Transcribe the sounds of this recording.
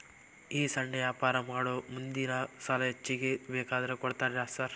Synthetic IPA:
iːsɐɳɖɐjaːpaːɾɐmaːɽomund̪inɐsalɐt͡ʃːiɡebeːkaːd̪ɾekɔɽt̪aːɾaːsaɾ

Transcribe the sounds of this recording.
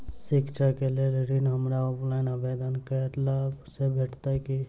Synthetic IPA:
sikt͡ʃʰakelelɾinɦəmɾaɔpʰlaɪnəbed̪ənkəɾɛt̪lasebʱeʈʰt̪aki

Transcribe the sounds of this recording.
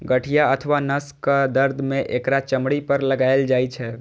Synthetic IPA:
ɡəʈʰijaət̪ʰəʋanəskəd̪əɾd̪ʱmẽʔekɾat͡ʃəmɽipəɾləɡaeld͡ʒajt͡ʃʰɛ

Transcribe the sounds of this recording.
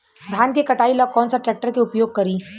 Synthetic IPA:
d̪ʱaːnkekɐʈaːilɔːɡ̚kɔːnsaʈɾɛːk̚ʈəɾkeʊpjoːɡ̚kɐɾiː

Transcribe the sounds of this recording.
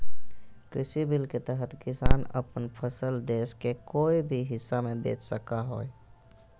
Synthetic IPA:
kɾɪsibɪlket̪əɦət̪kɪsaːnə̰pənpʰəsəld̪eːskekoːibʱiɦɪsːamẽbḛːt͡ʃʰsəkaɦoːe

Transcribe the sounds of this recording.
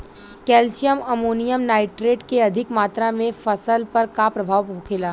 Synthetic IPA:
kɛːlʃijəmɐmuːnijəmnaːɪʈɾeːʈkeɐd̪ʱɪkmaːt̪ɾamẽfɐsəlpɐɾkapɾɐbʱaːʋɦokʰelaː

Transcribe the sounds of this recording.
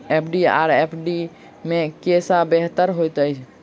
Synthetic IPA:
epʰɖia̰ɾepʰɖi | mekesabeɦt̪əɾɦojt̪əjt͡ʃʰ

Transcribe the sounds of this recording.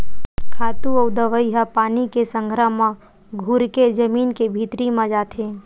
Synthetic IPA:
kʰaːt̪uɔːd̪əʋəjɦapaːnikesə̃ŋɡʱɾəɦmã | ɡʱʊɾked͡ʒəmiːnkebʱiːt̪ɾimãd͡ʒaːt̪ʰẽː

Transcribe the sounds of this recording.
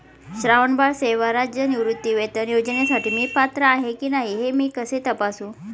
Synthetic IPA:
ɕɾaʋəɳbaɽseʋaɾad͡ʑjəniʋɾut̪ːiːʋet̪əɾjod͡ʑnesaʈiːmiːpat̪ɾəaɦekiːnaɦiɦemiːkəset̪əpasũ

